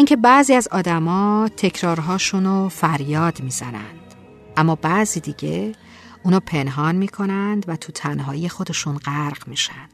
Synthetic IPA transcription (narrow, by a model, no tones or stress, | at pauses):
ʔiːŋcʰebæziːæzɒːd̪æmɒːt̪ʰe̞cʰɾɒːɾɦɒːʃuːnofæɾjɒːd̪miːzænæ̰nd̪̥ | ʔæmːɒːbæziːd̪iːɟe̞ | ʔuːnɒːpʰe̞nɦɒːnmiːkʰo̞nænd̪væt̪ʰut̪ʰænɦɒːije̞xo̞d̪e̞ʃuːnɢæɾɢmiːʃænd̪̥